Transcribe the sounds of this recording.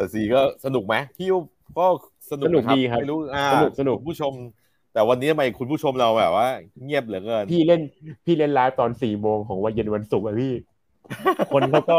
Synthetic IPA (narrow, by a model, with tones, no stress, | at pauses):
t̪ɛ˨˩si˨˩kɔː˥˩sa˧nu˨˩k̚ma˦˥jpʰiː˥˩ | kɔː˥˩ | sa˧nu˨˧nu˨˩k̚diː˧kʰa˦˥˩jɾuː˦˥ʔaː˧a˧nu˨˩k̚sa˧nu˨˧˩knpʰuː˥˩t͡ɕʰo˧m | t̪ɛː˨˩wa˧nːi˦˥t̪ʰa˧ma˧jkʰu˧npʰuː˥˩o˧mɾa˧wbɛː˨˩p̚waː˥˩ŋi˥˩əp̚lɯ˩˦kɤː˧npʰiː˥˩le˥˩npʰiː˥˩le˥˩nlaː˦˥wt̪ɔː˧nsiː˨˩moː˧ŋkʰɔː˩˦ŋwa˧nje˧nwa˧nsu˨˩k̚ʔa˧˩pʰiː˥˩ | kʰo˧nkʰa˦˥wkɔː˥˩